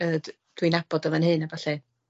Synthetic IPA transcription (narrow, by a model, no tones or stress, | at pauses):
əd | d̥winab̥ɔdəvənhɨnabaɬɛ